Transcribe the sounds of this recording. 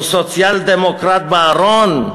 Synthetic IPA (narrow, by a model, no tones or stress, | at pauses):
sot͡siald̪emokɾat̪̚baɾɔn